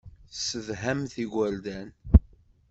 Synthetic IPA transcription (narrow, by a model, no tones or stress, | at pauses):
səvɦæmθiɡʷæld̪æn